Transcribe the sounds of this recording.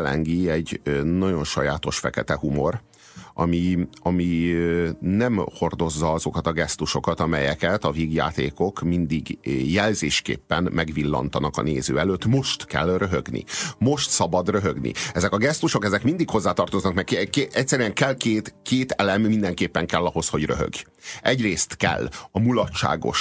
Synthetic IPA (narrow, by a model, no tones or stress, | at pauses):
lɛ̰ŋɡiɛɟːnɒɟo̞nʃɒjaːt̪o̞ʃfɛkɛt̪ɛhumo̞r | ʔɒ̰miɒmi | nɛmho̞rd̪o̞zːɒɒzo̞kɒt̪ɒɡɛst̪uʃo̞kɒt̪ɒmɛjɛkɛt̪ɒveːɡja̰ːt̪eːko̞kmind̪iɡjɛlzeːʃkḛːpːɛnmɛɡʋilːɒ̰nt̪ɒnɒkɒ̰neːzøːɛløːt̪ːmo̞ʃt̪kɛ̰lrøɦøɡnḭmo̞ʃt̪sɒbɒd̪røɦøɡnḭɛzɛkɒɡɛst̪uʃo̞kɛzɛkmind̪ikho̞zːaːt̪ɒrt̪oznɒkmɛkkeɛcʲsːɛɾyɛŋkɛlkeːt̪keːt̪ɛlɛmːind̪ɛŋkeːpːɛŋkɛlːɒɦo̞sho̞ɟrø̞ɦø̰ɡ | ɛɟreːst̪kɛ̰lːɒmulɒtt͡ʃːa̰ːɡo̞̰ʃ